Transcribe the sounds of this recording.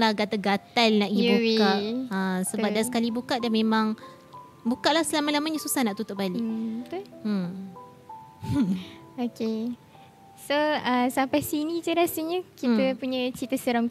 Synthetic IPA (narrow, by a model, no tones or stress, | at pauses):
lahɡat̪aɡat̪alnaʔibuwikaasəbap̚dasə̥kalibukaʔdanmẽmãŋ | bukaʔlahsəlamalamaɲəsusahnaʔt̪ut̪ʊʔbalɪt̪u | oke | soəsampajsinid͡ʒəɾasəɲəkit̪əpuɲə̃t͡ʃit̪əsəɾɔm